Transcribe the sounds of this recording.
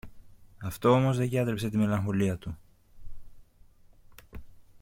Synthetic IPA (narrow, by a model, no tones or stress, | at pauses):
ɐft̪o̞omo̞zðe̞ɟɐt̪ɾepse̞t̪ime̞lɐŋxo̞liɐt̪u